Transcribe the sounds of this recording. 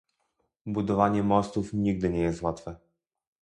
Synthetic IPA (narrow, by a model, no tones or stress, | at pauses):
bud̪ɔvaɲɛmɔst̪ufɲiɡ̚d̪ɘɲɛjɛst̪wat̪fɛ